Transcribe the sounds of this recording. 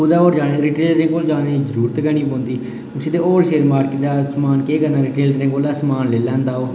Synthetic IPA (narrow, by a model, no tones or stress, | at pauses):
ud̪aːoːɾd͡ʒaːneːɾiːʈeːlɾɪ̃ŋɡoːld͡ʒaːneːzəɾuːɾət̪ɡəɳ̃iːbõːnd̪iː | ʊsiːd̪eːoːlʃeːɾmaːɾkːd̪aːsəmaːnkeːkəɾnaːɾiʈeːlɾɪ̃ŋɡoːlaːsəmaːnleːlɛ̃ːnd̪aːoː